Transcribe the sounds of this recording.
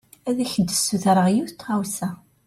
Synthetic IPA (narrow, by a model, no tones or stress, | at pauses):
æðæçəd̪əsːuθɾəʁjuθt̪ːʁawsæ